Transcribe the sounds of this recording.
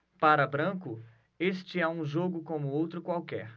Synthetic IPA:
paɾɐbɾɐ̃kʊ | est͡ʃɪɛũʒoɡʊkõmʊowt̪ɾʊkwawkɛ̰ɾ

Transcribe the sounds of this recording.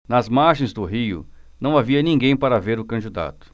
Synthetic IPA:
nɐzmaɾʒẽj̃zd̪ʊɦijʊ̰nɐ̃w̃aviɐnĩŋɡẽj̃paɾɐveɾʊkɐ̃d͡ʒid̪a̰t̪ʊ̥

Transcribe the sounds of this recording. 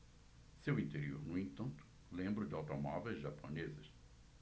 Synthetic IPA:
sewĩnt̪eɾio̰ɾnʊẽnt̪ɐ̃nt̪ʊ̥ | lẽmbɾʊd͡ʒɪawt̪omɔvejzʒaponezɐs

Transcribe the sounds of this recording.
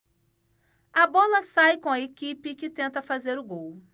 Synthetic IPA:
ɐbɔlɐsajkõɐekipɪkɪt̪ẽnt̪ɐfazeɾʊɡow

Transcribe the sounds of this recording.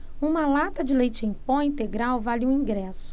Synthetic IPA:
ũmɐlat̪ɐd͡ʒɪlejt͡ʃɪẽj̃põĩt̪eɡɾawvalɪũĩŋɡɾɛsʊ̥

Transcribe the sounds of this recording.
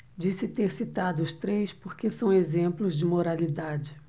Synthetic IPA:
d͡ʒisɪt̪eɾsit̪ad̪ʊʊst̪ɾejspoɾkesɐ̃w̃ezẽmplʊzd͡ʒɪmoɾalid̪ad͡ʒɪ

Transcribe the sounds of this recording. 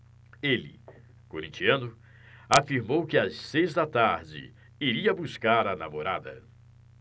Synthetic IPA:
elɪ̰ | koɾĩt͡ʃiɐ̃nʊ | afiɾmowkɪassejzd̪ɐt̪aɾd͡ʒɪ̰ | iɾiɐbuskaɾɐna̰moɾa̰d̪ɐ̰

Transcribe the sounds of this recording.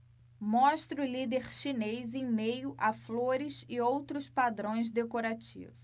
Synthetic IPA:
mɔ̃ʃt̪ɾʊlid̪eɾʃinejzẽj̃mejʊʔafloɾɪsɪowt̪ɾʊspad̪ɾõj̃zd̪ekoɾat͡ʃḭvʊs

